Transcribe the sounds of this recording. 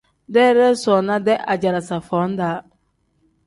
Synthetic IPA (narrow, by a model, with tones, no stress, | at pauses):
dɛ˦ɾɛ˦sɔ˨na˦dɛ˦ʔa˨d͡ʒa˨ɾa˨sa˨fɔ˨˦n˦daː˨˦